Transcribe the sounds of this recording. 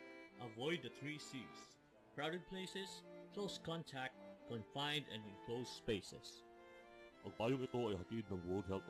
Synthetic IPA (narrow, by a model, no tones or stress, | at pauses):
ʔɐvɔjd̪̚ːəθɹisis | kɹawdɛd̪̚pʰleɪsɛskʰloskɔ̃nt̪ʰæk̚t̪̚kɔ̃nfãjnd̪ɛ̰̃ndɪ̃nkʰloʊsspeɪsɛ̰s | pɐɡ̚paːjoŋɪt̪oajhat̪id̪̚nɐ̃ŋwɔɹd̪̚ɦɛlt